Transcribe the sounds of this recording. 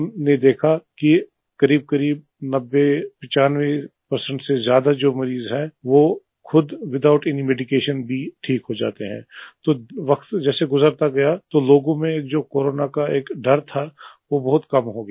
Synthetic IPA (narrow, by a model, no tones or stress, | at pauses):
mned̪eːkʰaki | kɐɾiːb̚kɐɾiːb | nɐbːepɪ̃t͡ʃaːnʋepɐɾsə̃ɳʈsezjaːd̪ad͡ʒoːmɐɾiːzɦɛʋo | xʰʊd̪ʋɪd̪aːʊʈɪnimeːɖɪkeːʃənbʱiʈʰiːkɦod͡ʒa̰ːt̪eɦɛ̰̃ːt̪oːʋɐkt̪d͡ʒɛːseɡʊzəɾt̪aɡɐjat̪oloːɡõmẽeːk̚d͡ʒoːkoːɾoːnakaeːkɖɐɾt̪ʰaʋobɐɦʊt̪kɐmɦoɡjː